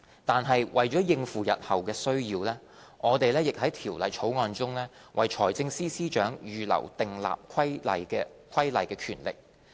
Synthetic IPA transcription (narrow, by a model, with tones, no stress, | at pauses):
t̪aː˨nɦɐ˨jwʔɐ˨jt͡ʃɔː˨˥jɪ˧ŋfuː˨˩jɐ̰˨t̚hɐ˨wkɛː˧sɵ˥ɥjiː˧wlɛː˥ | ŋɔː˨˧t̪e˨jlɛː˥jɪ˨k̚hɐ˨˥jt̪ʰiː˨˩wlɐ˨jt͡ʃʰo˨˥wŋɔː˧nt͡sʊ˥ŋlɛː˥ | wʔɐ̰˨˩jt͡ʃʰɔː˨˩jt͡sɪ˧ŋsiː˥siː˥t͡ʃœː˨˥ŋjyː˨˧lɐ̰˨˩wt̪ɪ˨ŋla̰ː˨p̚kʰɐ˥jlɐ̰˨jkːkʰwɐ˥jlɐ˨˩jkɛː˧kʰyː˨˩nlɪ̰˨k̚